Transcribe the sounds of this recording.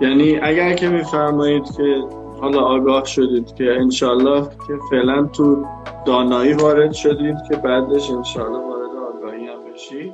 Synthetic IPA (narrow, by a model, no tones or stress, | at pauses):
jæniːʔæɟæɾcʰe̞miːfæɾmɒːjiːd̪̥cʲʰe̞ | hɒːlɒːɡɒːhʃo̞d̪iːd̪̥cʲʰeːnʃɒːlːɒːhcʲʰe̞fe̞ʔlænt̪ʰud̪̥ɒːnɒːiːvɒːɾe̞d̪ʃod̪iːd̪cʰe̞bæd̪eʃenʃɒːlːɒːvɒːɾe̞d̪eɒːɡɒːhiːæmbe̞ʃid̪̥